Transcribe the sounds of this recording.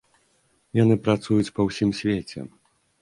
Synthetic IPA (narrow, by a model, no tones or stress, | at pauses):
janɨpɾat̪sujut͡sʲpɐwsʲimsʲvʲet͡sʲɛ̰